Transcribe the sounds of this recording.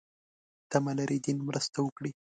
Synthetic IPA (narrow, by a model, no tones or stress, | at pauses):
t̪amalaɾid̪inmɾəst̪awəkɽi